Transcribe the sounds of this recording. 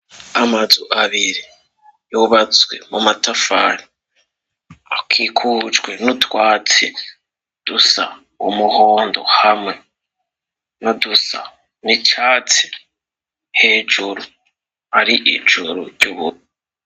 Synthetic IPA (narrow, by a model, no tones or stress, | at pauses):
amazuʔaβiɾi | juːβat͡swe̞̰mumatafa̰ni | akʰikʰud͡ʒɡwe̞nutwaːt͡se | d̥usa̰ | umuhoːndo̞̰hamŋe̞ | nudusa̰ | nit͡ʃaːt͡se̥ | he̞ːd͡ʒuɾu | aɾiʔḭd͡ʒuɾṵɾɟuβuɾi